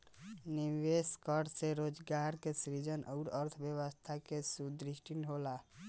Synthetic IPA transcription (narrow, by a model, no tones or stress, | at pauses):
niʋeskəɽseɾod͡ʒɡaɾkesɾid͡ʒənʔəʊɾəɾt̪ʰbjəwəst̪ʰakesud̪ɾiʃʈʰinɦola